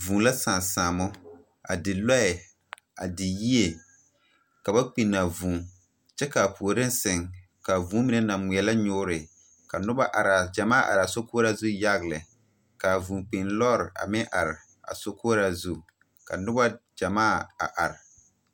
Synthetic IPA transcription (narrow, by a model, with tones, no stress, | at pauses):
vũ˨la˦sã˨nsaː˨mʊ˦ | a̰˨dɪ˨lɔ˦ɛ˨ | a̰˨dɪ˨ji˦e˨ | ka˨ba˦k͡pi˨na˨vũː˨ | t͡ʃɛ˦ka˨pʰu˨o˨ɾɪ˦n˦sɪ˨ŋka˨vũː˦mi˨˦nɛ˦nã˨mi˨ɛ˨la˦ɲʊː˦ɾɪ˨ | ka˨nʊ˦ba˦ʔa˨ɾa˨d͡ʒa˨maː˦˨ʔa̰˨ɾɪ˨a˨so˦kʊː˦ɾa˦zu˦ja˦ɣlɪ˨ | ka˨vũː˨k͡pɪ˨nlɔː˦ɾɪ˨ʔa̰˨mɪ̃˦ŋʔa̰˨ɾɪ˨ | a̰˨so˦ko˦ɾa˦zu˦ | ka̰˨nʊ˦ba˦d͡ʒa˨maː˦˨a̰˨ʔa˨ɾɪ˨